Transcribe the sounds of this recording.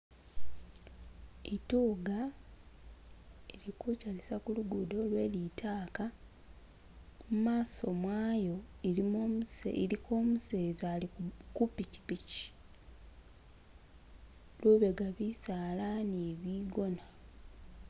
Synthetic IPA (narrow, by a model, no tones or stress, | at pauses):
etuːɡa | elikucalisakuluɡudo̞lwe̞ːlitʰaːka | mumaːso̞mwaːjo̞ilimom̰ilikʰo̞ːmuse̞ːzalikupici̥pici̥ | luβe̞ɡaβisaːlaneβiːɡo̞na